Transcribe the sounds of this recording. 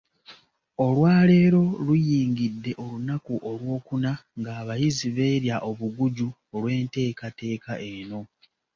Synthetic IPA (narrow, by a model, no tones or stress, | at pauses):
o̞lwaːle̞ːɾo̞lujiːŋɡidːe̞ʔo̞lunakuʔo̞lwo̞ːkunaŋɡaːβajiziβe̞ːɾjaʔo̞βuɡuɟu | olwe̞ːnte̞ːkate̞ːkaʔe̞no̞